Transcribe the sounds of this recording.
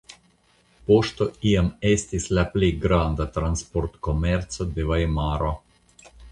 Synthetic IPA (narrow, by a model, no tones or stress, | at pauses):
poʃt̪ɔiamest̪islɛpliɡɾand̪at̪ɾanspoɾt̪kɔmɛɾt̪sɔd̪eʋajmaːɾɔ